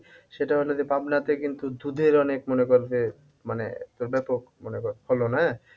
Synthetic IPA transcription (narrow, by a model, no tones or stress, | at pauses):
ʃeʈaɦolod͡ʑepabnat̪ekint̪ud̪ud̪ʱeɾɔnekmɔnekoɾd͡ʑe | manḛt̪oɾbɛpokmonekoɾholonae